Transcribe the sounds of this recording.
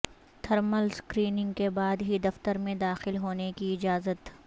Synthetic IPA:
t̪ʰɐɾməlskɾiːnɪ̃ŋɡkebaːd̪ɦid̪ɐft̪əɾmẽd̪aːxɪlɦoːnekiɪd͡ʒaːzət̪

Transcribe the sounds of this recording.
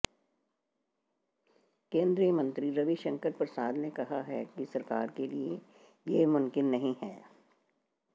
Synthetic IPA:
kẽːnd̪ɾijəmɐ̃nt̪ɾiɾɐʋiʃɐ̃ŋkəɾpɾɐsaːd̪nekɐɦaɦɛkisɐɾkaːɾkelie | jemʊ̃mkɪnːɐɦĩɦɛː

